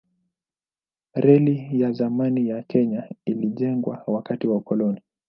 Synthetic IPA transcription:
ɾɛlijazamanijakʰɛɲailiʄɛŋɡwa̰wakatiwaukɔlɔni

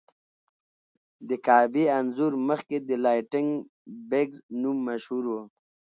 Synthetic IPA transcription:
d̪əkaːbianzuɾməxked̪əlajʈɪŋɡ | beɡznumːaʃhuɾwo

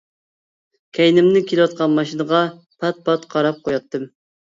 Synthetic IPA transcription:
kʲʰɛjnɪmnɪkʲʰelɨwɑt̪̚qɑnmɑʃinəʁɑ | pʰɑt̪̚pʰɑt̪qʰɑɾɑp̚qojɑt̪ːɨm

